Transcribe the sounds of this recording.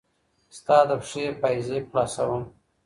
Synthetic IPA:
st̪ɑd̪əpʂepajzeplɑsawəm

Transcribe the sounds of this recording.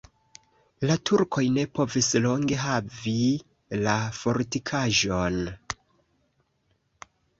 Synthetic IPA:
latʰuɾkʰo̞jne̞po̞vislo̞ŋɡe̞ɦavi | lafo̞ɾtikʰaʒo̞n

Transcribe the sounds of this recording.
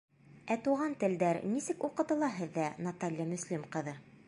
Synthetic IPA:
æt̪uʁɑnt̪ɘ̆ld̪æɾnisɘkuqɤ̆t̪ɤ̆lˠɑɦɘ̆ðːænɐt̪alʲjamɵ̆slimqɤ̆ðɤ

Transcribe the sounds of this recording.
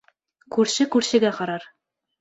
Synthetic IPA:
kʉɾɕɘkʉɾɕɘ̆ɡæqɑɾɑɾ

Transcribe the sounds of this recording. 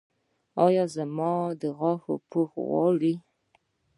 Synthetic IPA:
ɑjɑzamɑd̪əɣɑxo̰poxwɑ̰li

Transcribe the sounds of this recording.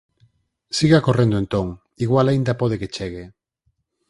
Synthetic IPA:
siɣakorẽnd̪oent̪oŋ | iɣwalaind̪apoð̞eket͡ʃeɣe

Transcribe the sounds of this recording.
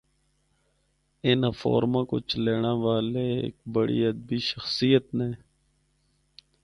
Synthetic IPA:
ɪnəfo̰ːɾmãːko̰t͡ʃʰəleːɳ̃aːʋaːleḛːk̚bəɽḭəd̪̚biːʃəxsijət̪nẽː

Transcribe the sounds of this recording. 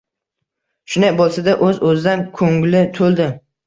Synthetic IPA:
ʃʊnak̚bolˠsad̪aʔɵzɵzɪd̪ankʰɵŋlɪt̪ʰolˠd̪ɪ

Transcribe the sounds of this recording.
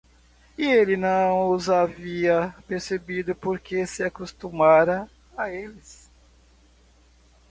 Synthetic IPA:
ielɪnɐ̃ww̃ʊzaviɐpeɾsebid̪ʊpoɾkʰesɪakust̪umaɾɐ | aelɪs

